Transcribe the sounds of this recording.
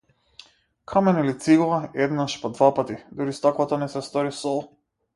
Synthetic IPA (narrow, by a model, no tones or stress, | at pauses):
kʰamɛnilit̪siɡɔvaɛd̪naʃpɔd̪vapat̪id̪uɾist̪ɔkvat̪anɛsɛst̪ɔɾisɔlˠ